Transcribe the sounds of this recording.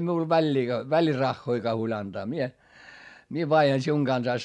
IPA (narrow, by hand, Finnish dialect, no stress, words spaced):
miul ʋælʲːiː ʋælirɑxːoikɑː huolʲ ɑntɑː mie mie ʋɑihɑn siuŋ ɡ̊ɑnsɑis